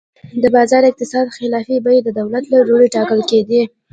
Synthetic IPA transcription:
d̪əbɑzɑɾɪq̚t̪ɪsɑd̪xɪlɑfibajed̪əd̪awlat̪laɾoɾeʈɑkəlked̪i

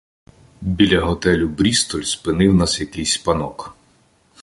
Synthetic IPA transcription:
bʲilʲɐɦɔt̪ɛlʲʊbɾʲist̪ɔlʲspɪnɪwnɑsjɐkɪjsʲpɐnɔk

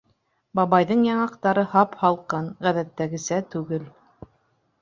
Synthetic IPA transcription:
bɑβɑjðɤɴjɑɴɑqt̪ɑɾɤhɑphɑlˠqɤnʁæðæt̪ːæɡɘ̆sæt̪ʉɡɘl

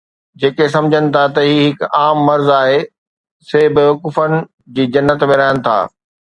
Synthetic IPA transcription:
d͡ʑeːkes̬ɐ̃md͡ʑʱənɪ̆t̪ʰat̪ɐɦiːɦɪkaːmːɐɾzaːɦe | sebɪʋɐkuːfənɪ̆ | d͡ʑiːd͡ʑɐnːət̪mẽɾaɦɪənɪ̆t̪ʰa̰ː

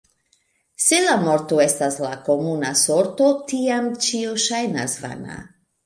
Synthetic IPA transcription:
selamoɾt̪oe̞staslako̞munasoɾt̪o̞tiamt͡ʃioʃajna̰sva̰na̰

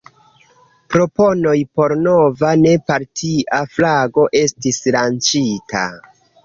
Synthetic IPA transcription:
pɾo̞po̞no̞jpo̞ɾno̞vane̞paɾtʰiʔaflaɡo̞ʔe̞stislant͡ʃitʰa̰

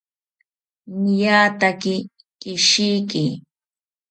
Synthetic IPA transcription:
nɪjaːt̪akɪ | kɪʃijkɪ

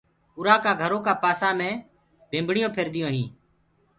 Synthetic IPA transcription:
ʊɾaːkaːɡʱəɾõːkaːpaːsaːmẽː | bʱẽːmbʱɳɪjõːpʰeɾd̪ɪjõːɦĩː

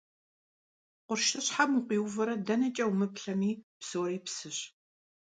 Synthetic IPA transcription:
qʷʊrʃɐɕħamuqʷiːwvɐɾɐdɐnɐt͡ʃʼɐwmɨpɬɐmiːpsoːɾiːpsɨɕ

